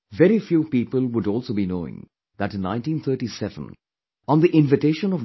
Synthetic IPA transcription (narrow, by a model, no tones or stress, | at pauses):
vɛɾifjuːpiːpəlˠwʊɖɔːlˠsoːbinoːɪ̰̃ŋ | ðæʈnːãɪ̃ntʈĩːnt̪ʰəɾʈisɛvə̰̃n | ɔ̃nd̪iʔɪ̃nvɪʈeːʃə̃nɔv